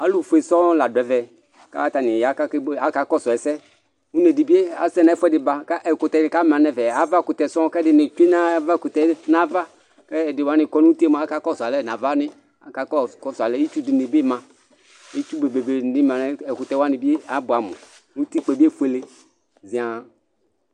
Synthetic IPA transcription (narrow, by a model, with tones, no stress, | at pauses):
a˨˦lu˦˨fu˨e˨sɔ˦la˨dɛ˨˦vɛ˨ | ka̰˦ta˨nɪ˨ja˨˦ka˦ka˦ka˨kɔ˦˨sɔ˨ɛ˨sɛ˦ | u˦ne˨di˨bi˦e˦a˨˦sɛ˦na˨˦fu˦ɛ˦dɪ˨ba˨ka˦ʔɛ˨kʊ˨tɛ˨n˨ka˦m˨ã˨nɛ˨vɛ˨a˨˦va˦˨kʊ˨tɛ˨sɔ˦kɛ˦dɪ˨ni˨t͡ʃu˦e˦na˦va˦˨kʊ˨tɛ˨na˦va˦ | kɛ˦˨dɪ˨wa˦nɪ˨kɔ˦nu˦ti˦e˦m˨a˦ka˦kɔ˦˨sa˨lɛ˦˨na˨va˦nɪ˦ | a˨˦ka˨kɔ˦kɔ˦sa˨lɛ˦i˦t͡ʃu˦di˨ni˨bi˦mã˨ | i˦t͡ʃu˦be˨be˨be˨nɪ˦m˨a˨nɛ˦ɛ˨kʊ˨tɛ˦wa˦ni˨bi˦e˦a˨˦bʊ˨a˨mʊ̰˨ | nu˦ti˦k͡pɛ˨bi˦e˦˨fu˦e˨le˦ | zi˨a˨